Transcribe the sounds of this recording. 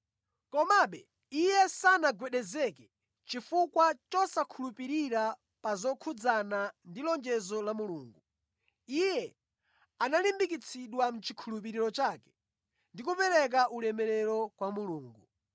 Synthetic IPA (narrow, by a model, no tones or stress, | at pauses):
kɔmaɓɛ | ijɛsanaɡwɛɗɛzɛkɛ | t͡ʃifukwat͡ʃɔsakʰulupiɾiɾa | pazɔkʰud͡zanandilɔnd͡ʒɛzɔlamuluːŋɡu | ijɛ | analimbik̬it͡sʰiɗwam̩t͡ʃi̥kʰulupiɾiɾɔt͡ʃaːkɛ̥ | ndikupɛɾɛk̬aʔulɛmɛɾɛɾɔkwamuluːŋɡu